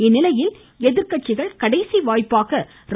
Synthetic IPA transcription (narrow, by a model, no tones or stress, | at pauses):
ɪnːɪlɐjɪl | ɛðɪɾkɐʈ̚t͡ʃːɪɣɐɭkɐɽɐɪsiʋaːjpːaːɣɐ | ɾ